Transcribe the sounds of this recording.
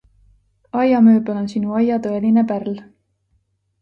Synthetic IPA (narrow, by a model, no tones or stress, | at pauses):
ɑjɑmøːbelo̞nsinuɑjɑt̪ɤe̞line̞pærl